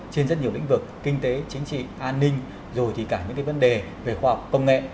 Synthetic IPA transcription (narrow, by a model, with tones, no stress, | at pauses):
t͡ɕe˧nzə˦˥t̚ɲi˨˩əwl̰ŋ̟vɨ˨˩k̚ːï˧ŋ̟t̪e˨˦t͡ɕi˨˦ŋ̟t͡ɕḭ˧˨ʔaː˧nːï˧ŋ̟ | zo˨˩jt̪ʰi˨˩kaː˧˩ɲɨ̰˧˥ŋkaː˨˦jvə˨˦nɗe˨˩ | ve˨˩xwaː˧ha˨˩wk͡p̚kːə˧wŋ͡mŋɛ̰˧˨ʔ